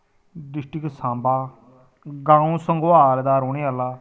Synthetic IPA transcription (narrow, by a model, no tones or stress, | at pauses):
ɖɪsʈɪksãːmbaː | ɡãːũːsəŋɡaːld̪aːɾoːɽiːalaː